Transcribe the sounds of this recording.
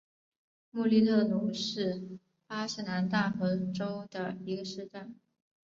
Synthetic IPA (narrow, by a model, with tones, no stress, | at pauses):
mu˥˧li˥˧t̪ʰɤ˥˩nu˧˥ʂɻ̩˥˩ | pa˥ʂɻ̩˥˩na˧˥nt̪a˥˩xɤ˧˥ʈ͡ʂo˥ʊd̪ə˨i˧˥ɡə˧ʂɻ̩˥˧ʈ͡ʂa˥˩n